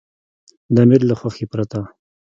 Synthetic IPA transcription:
d̪amɪɾlaxwaxepɾat̪a

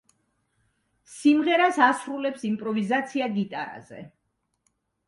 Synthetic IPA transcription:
simʁɛɾasasɾulɛpsimpʼɾɔvizat̪sʰiaɡit̪ʼaɾa̰zɛ̰

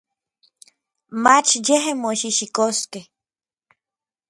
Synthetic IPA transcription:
mat͡ʃʰd͡ʒeɦemoʃiʃikoske

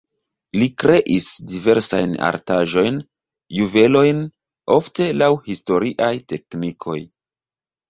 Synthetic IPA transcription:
likɾe̞ʔisdive̞ɾsa̰jna̰ɾtaʒo̞jn | juve̞lo̞jn | o̞fte̞lawhisto̞ɾiʔajte̞knikʰo̞̰j

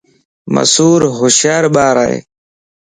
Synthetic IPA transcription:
mɐ̰suːɾɦʊɕjaːɾɓaːɾaːḛ

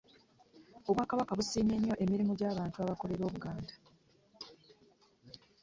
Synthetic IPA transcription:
o̞βwaːkaβakaβusiːɲeɲːo̞ʔe̞miɾimuɟaːβaːntuaβako̞le̞ɾo̞ːβuɡaːndḁ

